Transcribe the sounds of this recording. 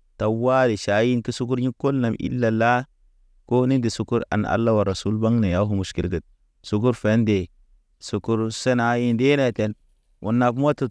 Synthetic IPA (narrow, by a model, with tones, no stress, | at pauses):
ta˨wa˦di˨ʃa˨ji˦nki˦su˦ku˦ɾɲi˦ko˦lna˨mʔḭ˦lːa˨la˦ | ko˦ni˦ndi˨su˨˦ku˦ɾa̰˨na̰˨lːa˦wa˨ɾa˨su˦lba˦ŋne˨ja˦ɦu˨mu˨ski˨lɡə˨t̚ | su˨˦k̬u˦ɾfe˨˦nde˨ | su˨ku˦ɾse˦na˦ji˦nde˦ne˨te˨n | wʔṵ˨nːa˨bmo˦tu˦